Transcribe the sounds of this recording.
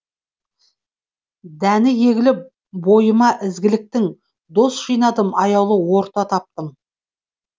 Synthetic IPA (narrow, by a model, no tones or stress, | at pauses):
d̪ænɪje̞ɡʲɪlɪp̚ | bo̞jəmɑʔɪzɡʲɪlɪk̚t̪ɪŋ | d̪o̞sʒ̥ijnɑd̪əmɑjɑwlˠəwo̞ɾt̪ɑt̪ʰɑp̚t̪əm